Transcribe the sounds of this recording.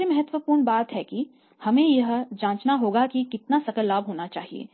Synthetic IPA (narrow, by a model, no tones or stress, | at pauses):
emɐɦət̪wəpuːɾɳbaːt̪ɦɛki | hɐmẽjɐɦd͡ʒãːt͡ʃnaɦoːɡakikɪt̪nasɐkəlːaːbɦoːnat͡ʃaːɦiḛː